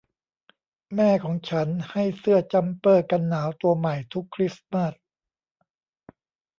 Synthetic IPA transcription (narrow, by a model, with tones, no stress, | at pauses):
mɛː˥˩kʰɔː˩˦ŋt͡ɕʰa˦˥nha˥˩jsɯ˥˩ɐt͡ɕa˧mpɤː˥˩ka˧nːaː˩˦wt̪u˧ɐma˨˩jt̪ʰu˦˥kʰːɾi˦˥sma˥˩s